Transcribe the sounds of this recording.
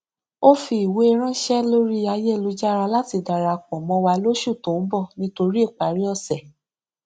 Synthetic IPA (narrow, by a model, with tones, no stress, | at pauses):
o˦fi˧˦i˨we˨˦e˧˦ɾ̃ã˦ʃɛ˦lo˦ɾi˦a˧je˦˨lu˧˦d͡ʒa˦˧ɾa˧la˦ti˧˨da˨ɾa˧k͡pɔ̃˨mɔ̃˧˦wa˧lo˦ʃu˦˨tõ˨˦bɔ˦˨nĩ˧˦to˧ɾi˦e˦˨k͡pa˨ɾi˦ɔ˦˨sɛ˨